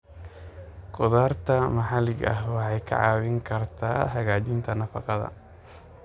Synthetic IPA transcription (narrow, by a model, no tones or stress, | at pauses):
qʊðaːrt̪ʰɐmɐħɑlɪɡɐ̰hwɑħɑjkʰɐ̰ʕɑ̰ːwɪŋkʰɐrt̪ʰaːɦɐɣaːt͡ʃɪnt̪ʰɐnɐfɑqɑðɐ̰